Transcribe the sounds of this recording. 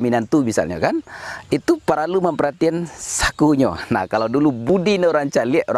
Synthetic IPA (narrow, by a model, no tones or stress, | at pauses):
minant̪umisa̰lɲa̰kanit̪upəɾaluməmpəɾhat̪iansḁkuɲo̰na̰hkalawdulubudinəoɾaŋt͡ʃaliɛʔoa